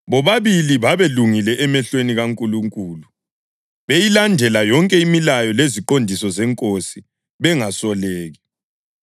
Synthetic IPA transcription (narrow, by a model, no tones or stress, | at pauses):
βɔβaβiliβaβeluŋilɛʔɛmɛɬweniɣaŋkʼuluŋkʼuːlu | βejilandʱɛlajɔŋkʼɛimilajɔleziǃondʱisɔzɛŋkʼosi | βɛŋasɔleːɣi